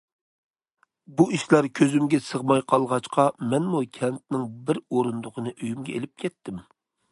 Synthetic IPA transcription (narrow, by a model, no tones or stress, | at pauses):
buiʃlæɾkʲʰøzymɡʲɛsəʁmɑjqʰɑlˠʁɑt͡ʃqʰɑmɛnmukʲʰɛnt̪̚nɪŋbɪɾoɾund̪ʊqənɨʔøjymɡʲɛelɪp̚kʲʰɛt̪ʰːɪm